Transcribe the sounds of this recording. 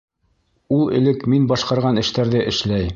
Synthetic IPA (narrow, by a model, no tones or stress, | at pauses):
ulˠɘ̰̆lɘkminbɑʃqɑɾʁɑnɘ̆ʃt̪æɾðɘʔɘ̆ʃlæj